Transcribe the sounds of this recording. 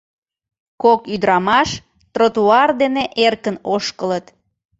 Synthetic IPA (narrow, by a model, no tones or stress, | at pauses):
kokyd̪ɾɑmɑʃ | t̪rot̪uɑrd̪eneʔerkənoʃkələt̪